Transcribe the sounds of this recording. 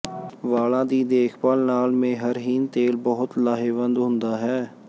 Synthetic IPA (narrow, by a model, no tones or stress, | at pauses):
ʋaːlãːd̪iːd̪eːkʰpaːlnaːlmẽːɦəɾɦiːnt̪eːlbəɦʊt̪laːɦeːʋə̃nd̪ɦʊ̃nd̪aːɦɛː